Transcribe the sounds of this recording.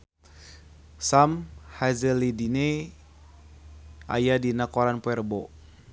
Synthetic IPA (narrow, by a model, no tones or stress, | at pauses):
samhazəlidine | a̰jadinakɔɾanpuɛrbo